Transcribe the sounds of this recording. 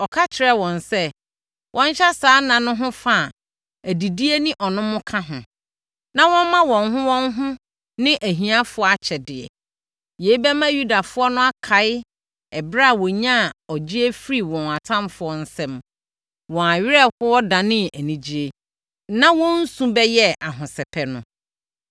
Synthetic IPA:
ɔ˨kʰa˦t͡ɕʰɪ˨ɾɛ˦wɔ̃˨nsɛ˦ | wʔɔ̃˦ɲ˦ɕɛ˦saː˨˦nã˨nʊ̃˦ɦʊ̃˦fa˦˨ | æ˨di˨di˦e˦nɪ̃˦ʔɔ˨nʊ̃˦mʊ̃˦kʰã˦ɦʊ̃˨ | nã˦wɔ̃˦m˦mã˦wɔ̃˨nɦʊ̃˦wɔ̃˦ŋɦʊ̃˦ | nɪ̃˦ʔæ˨ɦĩ˨a˦fʊ˦ɔ˦a˨t͡ɕʰɛ˨dɪ˨ɛ̰˨ | je˨˦i˦bɛ˦mã˦ju˦da˨fʊ˦ɔ˦nʊ̃˦a˦kʰa˨˦ɪ˦ | ɛ˨bɾa˦˨wɔ˨ɲã˦˨ɔ˨d͡ʑi˦e˦fɾi˦˨wɔ̃˨na˨tʰã˦mfʊ˦ɔ˦n̩˦sɛ̃˦m | wɔ̃˨a˨ɥɪ˦ɾɛ˦˨hʊ˦ɔ˦dã˨nɪ̃˦æ˨nĩ˨d͡ʑi˦e˦ | nã˦wɔ̃˦n̩˦sũ˦bɛ˦jɛ˦ʔa˨ɦʊ̃˨sɛ˨pʰɛ˨nʊ̃˨

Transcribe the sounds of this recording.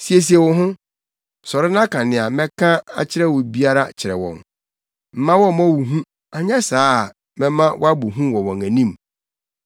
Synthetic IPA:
si˨e˨s̬i˨ɛ˨wʊ˨ɦʊ̃˦ | sɔ˨ɾɪ˦nã˦kʰã˨nɪ̃˨a˨mɛ̃˦kʰã˦a̰˨t͡ɕʰɪ˦ɾɛ˦wʊ˨bi˦a˦ɾa˦t͡ɕʰɪ˨ɾɛ̰˨wɔ̰̃˨n | m̩˨mã˦wɔ̃˦mɔ̃˦˨wu˨ɦũ˦ | a˨ɲã˦saː˦˨ | mɛ̃˦mã˦wɔ̰˦a˦bu˨ɦũ˦wɔ̃˨wɔ̃˨ŋæ̃˨nĩ˦˨m

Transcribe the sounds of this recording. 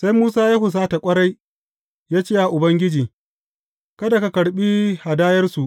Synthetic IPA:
sa˦jmuː˦saː˦jaː˦ɦʊ˨s̬aː˦ta˨kʷʼɐ˦ɽa˦j | jaː˦t͡ʃeː˦ja˨ʔʊ˨bɐ˦ŋɡʲɪ˦d͡ʒiː˨ | kɐ˦da˨ka˦kɐ˨ɽɓiː˦ha˨daː˦jɐ˦rsu˨ʔ

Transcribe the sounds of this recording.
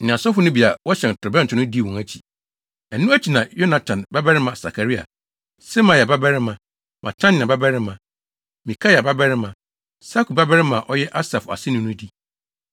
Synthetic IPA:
ñ̩˨ã˨sɔ˦fʊ˦nʊ̃˦bi˨a˨wɔ˦ɕɛ˨n˨tʰɾʊ˨bɛ̃˦n̩ʰ˨ʊ˦ʊ̃˦di˦˨wɔ̃˨æ˦t͡ɕʰi̥˨ | ɛ˨nũ˦æ˦t͡ɕʰi˨nã˨jo˦na˨tʰã˨nba˦bɛ˦ɾɪ˦mã˨sa̰˨kʰa˨ɾi˦a̰˨ | sɛ˦mã˨ja˨ba˦bɛ˦ɾɪ˦mã˨ | mʔã̰˨tʰã˦nɪ̃˨ã˨ba˦bɛ˦ɾɪ˦mã˨ | mĩ˨kʰa˦ja˨ba˦bɛ˦ɾɪ˦mã˨ | sa˦kʰu˨ba˦bɛ˦ɾɪ˦mã˨ʔɔ˦jɛ˦ʔa˦sa˨fa̰˨sɪ˦nũ˦nʊ̃˦di˦

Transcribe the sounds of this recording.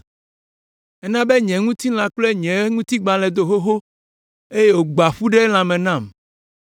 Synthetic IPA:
ɛ˦nã˦be˦ɲɛ̃˨ŋũ˦t̪i˦l̃ã˨k͡ple˦ɲɛ̃˨˦ŋũ˦t̪i˦ɡ͡bã˨lɛ̃˨d̪o˨ɦo˦ɦo˦ | e˦je˦wo˨ɡ͡ba˨ɸu˦ɖe˦l̃ã˨mɛ̃˨nã˦˨m

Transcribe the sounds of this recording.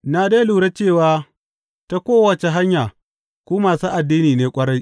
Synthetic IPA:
naː˨da˦luː˨ɽa˦t͡ʃeː˦˨waː˦ | ta˦kʷoː˦wɐ˨t͡ʃe˨ɦa˦ɲjaː˨ | kʷuː˦maː˨suː˦ʔa˨dːiː˦niː˨neː˦kʷʼɐ˦ɽa˦j

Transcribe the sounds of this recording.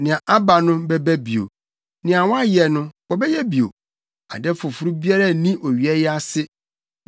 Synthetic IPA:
nɪ̃˨ã˨ʔa˦ba˨nʊ̃˦bɛ˦bæ˦bi˨o̰˨ | nɪ̃˨a˨wɔ̃˦a˦jɛ˨nʊ̃˦wɔ˨bɛ˦jɛ˦bi˨o̰˨ | a̰˨dɛ˦fʊ˨fu˨ɾu˦bi˦a˦ɾa˦˨nĩ˦ʔo˨ɥi˨ɛ˦jɛ˦a˦sɪ˦

